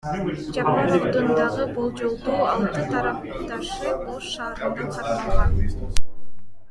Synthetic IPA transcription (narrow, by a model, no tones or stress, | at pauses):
d͡ʒapaɾod̪und̪ɑʁɯbolˠd͡ʒo̞lˠd̪uːɑlˠt̪ɯt̪ʰɑɾɑp̚ | d̪ɑʃɯolˠʃɑːɾt̪ʰɑʁɑ